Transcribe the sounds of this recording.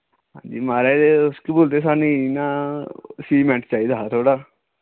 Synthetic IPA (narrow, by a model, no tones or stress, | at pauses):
ɦã̰d͡ʒḭmaːɾad̪eoskiboːlt̪̬es̬anina | siːmẽɳʈt͡ʃaːid̪at̪ʰoːɽa